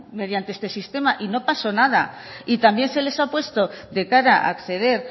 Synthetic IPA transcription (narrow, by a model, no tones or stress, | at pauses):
með̞jant̪eest̪e̞sist̪e̞maʔino̞paso̞nað̞ait̪ambje̞nse̞le̞sapwe̞st̪o̞ðe̞kaɾaʔa̰kθe̞ð̞e̞ɾ